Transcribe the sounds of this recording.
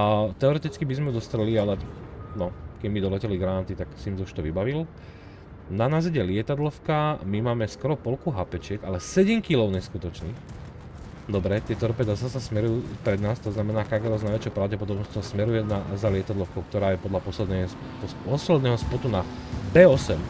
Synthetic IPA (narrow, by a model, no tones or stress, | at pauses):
t̪ɛɔɾɛt̪it͡skibizmɛd̪ɔst̪ɾɛlialɛnɔkɛɟmid̪ɔlɛcɛliɡɾanat̪it̪aksimt̪ɔuʃt̪ɔʋibaʋil | nanazɛɟɛlɪɛt̪ad̪lɔʊkamimaːmɛskɔɾɔpɔlkuɦapɛt͡ʃɪɛɡalɛsɛɟɛmkilɔʊɲɛskut̪ɔt͡ʃnix | d̪ɔbɾɛt̪ɪɛt̪ɔɾpɛd̪asasasmɛɾujuːpɾɛd̪naːst̪ɔznamɛnaːkaɡɛɾɔznajʋɛt͡ʃjɔʊpɾaʊɟɛpɔd̪ɔbnɔst͡ɕɔsmɛɾujɛnazalɪɛt̪ad̪lɔʊkɔʊkt̪ɔɾaːjɛpɔd̪lapɔslɛd̪nɛ | pɔɔslɛd̪nɛːɦɔspɔt̪unabɛːɔsɛm